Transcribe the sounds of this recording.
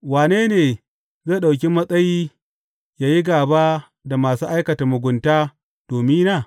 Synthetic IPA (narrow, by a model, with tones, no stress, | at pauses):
waː˨neː˦neː˨ | ze˦˨ɗa˨wkʲi˦mːɐ˦sʼɐ˦jiː˦ | jaː˨ji˦ɡaː˨baː˦ | da˨maː˨suː˦ʔa˦jkɐ˨ta˨mʊ˨ɡʷʊ˨ntaː˦ | d̥oː˨mi˦naː˦˨